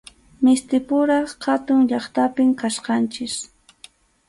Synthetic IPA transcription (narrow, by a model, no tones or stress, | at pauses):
mɪst̪ɪpʊɾɑχhat̪ʊŋʎɑχt̪apɪmkasqɑnt͡ʃɪs